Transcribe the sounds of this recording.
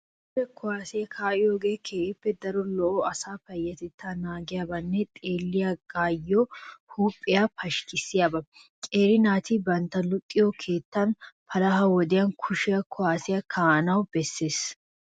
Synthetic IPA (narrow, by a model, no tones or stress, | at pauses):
ɾɛkʰʊaːsɛjɐkʰaːʔɪjoːɡe̞ːkʰeːʔɪpːɛd̪ɐɾɔlɔʔoːɐsaːfɐjːɐt̪ɛt̪ʰːaːnaːɡɪjaːbɐnːɛt̪ʼeːlːɪjaɡ̥aːjːoːhuːpʼːɪjaːpʰɐʃkɪsɪjabɐ | kʼe̞ːɾɪnaːt̪ɪbɐnt̪ɐlʊt̪ʼːɪjoːkʰe̞ːt̪ːanpʰɐlɐɦɐwɔd̪ɪjɐnkʰʊʃɪjɐkʰʊwaːsɪjɐkʰaːnɐwb̥ɛsːe̞ːs